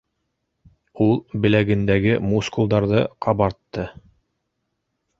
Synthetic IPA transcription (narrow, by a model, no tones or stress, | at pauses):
ulˠbɘ̆læɡɘ̆nd̪æɡɘmuskulˠd̪ɑɾðɤqʰɑβɑɾt̪ːɤ